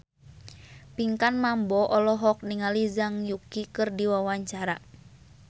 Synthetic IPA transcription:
piŋkanmambɔʔɔlɔɦɔk̚niŋalizaŋjukikɨrdiwawaɲt͡ʃaɾa

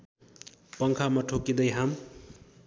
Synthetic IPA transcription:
pʌŋkʰamʌʈʰokid̪ʌjɦam

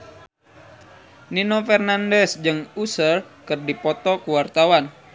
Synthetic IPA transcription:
ninofɛrnandɛsd͡ʒɨŋusərkɨrdipɔt̪ɔkuwart̪awan

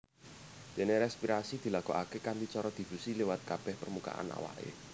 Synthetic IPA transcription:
d̪̥e̤neɾɛspiɾasid̪̥i̤laɡ̥ɔʔakekand̪it͡ʃɔɾɔd̪̥i̤b̥usilewat̪̚kab̥ɛhpərmuka̰ʔa̰na̰wa̰ʔḛ

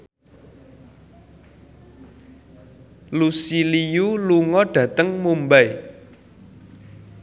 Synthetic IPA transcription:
lusilijuluŋɔɖ̥ä̤t̪əŋmumbaj

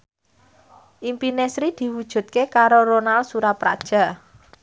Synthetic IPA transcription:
ʔimpinesɾid̪̥i̤wud̥ʒ̥ṳt̪̚kekaɾoɾonalsuɾapɾa̰d̥ʒ̥a̤

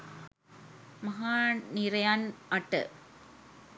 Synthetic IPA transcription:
mɐɦaːniɾɐjaːnɐʈːɐ̰

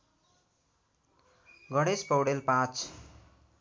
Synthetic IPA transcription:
ɡʌɽespʌwɽelpãt͡s

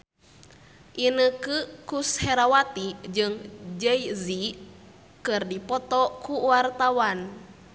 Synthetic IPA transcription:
ʔinəkɨkushɛɾawat̪id͡ʒɨŋd͡ʒɛizi | kɨrdipɔt̪ɔkuwart̪awan

